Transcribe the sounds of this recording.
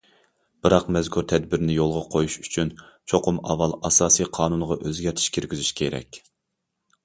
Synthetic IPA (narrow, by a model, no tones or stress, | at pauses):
b̥ɨɾɑqmɛzkʰuɾt̪ʰɛd̪̚bɪɾnɪjolˠʁɑqʰojuʃyt͡ʃʰynt͡ʃʰoqʰʊmɑ̰vɑlˠɑsɑːsijqʰɑːnunʁɑʔøzɡʲɛɾt̪ʰi̥ʃkʲʰeɾɡʲyzyʃkʲʰeɾɛ̰kʲ